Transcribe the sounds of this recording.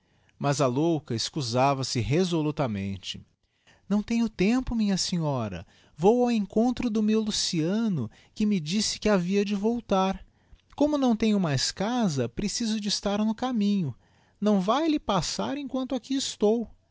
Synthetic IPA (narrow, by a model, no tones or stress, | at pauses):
mɐzɐlowkɐɪskuzavɐsɪɦezolut̪ɐmḛ̃nt͡ʃɪ̥ | nɐ̃w̃t̪ẽɲʊt̪ẽmpʊmĩɲɐsẽɲɔɾɐ̰ | vowawẽŋkõnt̪ɾʊd̪ʊmewlusiɐ̃nʊ | kɪmɪd͡ʒisɪ̥kɪaviɐd͡ʒɪvowt̪aɾ | kõmʊnɐ̃w̃t̪ẽɲʊmajskazɐpɾesizʊd͡ʒɪːst̪aɾnʊkamĩɲʊ | nɐ̃w̃vajlɪpasaɾẽkwɐ̃nt̪ʊakiɪst̪ow